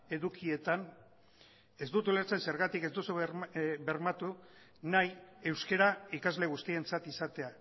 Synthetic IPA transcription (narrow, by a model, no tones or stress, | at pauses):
e̞ðukie̞t̪an | e̞zd̪ut̪uleɾt͡sense̞ɾɣat̪ike̞zd̪usube̞ɾmat̪u | naje̞wske̞ɾaikazle̞ɣ̞ust̪ie̞nt͡sat̪isat̪e̞a